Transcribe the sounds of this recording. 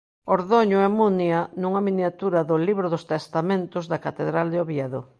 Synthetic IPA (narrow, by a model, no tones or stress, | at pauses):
oɾðoɲʊɛmunjɐnuŋɐminjat̪uɾaðʊliβɾoðʊst̪est̪amẽnt̪ʊzðɐkat̪eðɾald̪eoβjɛðo̰